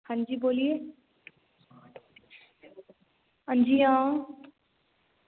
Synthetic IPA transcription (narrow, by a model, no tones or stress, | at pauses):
hə̃nd͡ʒiboːlije | ənd͡ʒiã